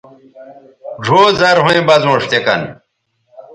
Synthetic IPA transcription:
ɖʱoːzɐɾɦõẽbɐzõːʂt̪ekɐ̰n

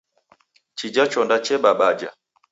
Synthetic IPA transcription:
t͡ʃid͡ʒat͡ʃɔndat͡ʃɛɓaɓad͡ʒa̰

